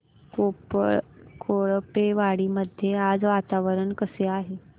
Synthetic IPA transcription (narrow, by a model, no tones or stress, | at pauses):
kopɭkʰoɭpeʋaɽiːməd̪ʱjead͡zʋat̪aʋəɾəɳkəseaɦe